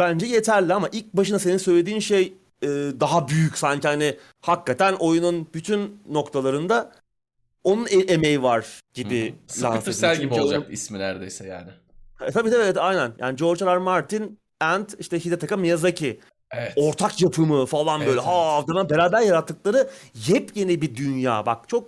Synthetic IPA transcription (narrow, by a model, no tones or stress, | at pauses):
b̥ænd͡ʒɛje̞t̪ʰæɾlʲiamaʔilʲc̚baʃɯnase̞ninsø̞jlʲe̞d̪iːnʃej | ɯːd̪aɦabyjycsaɲcihanɪ | hakːat̪ʰænʔo̞jununbyt̪ʰynːo̞kt̪ʰalˠaɾɯnd̪a | o̞nuneemejivaɾ̥ɟ̥ibɪla̰nsæɾibiod͡ʒkisminæɾd̪ejsɛja̰ːnɪ | hat̪ʰabiːabɛt̪ajnænjʔa̰ːnɪd͡ʒo̞ɾt͡ʃalˠaɾmaɾt̪ʰin | ænt̪iʃt̪ɛçid̪et̪ʰakamijazacʰi | eɛo̞ɾt̪ʰakjapʰɯmɯfalˠanbbø̞jlʲɛɦaːvd̪anabe̞ɾaːbæɾjaɾat̪ʰːɯklˠaɾɯjɛpje̞nibid̪ynja̰ːbak̚t͡ʃʰo̞k̚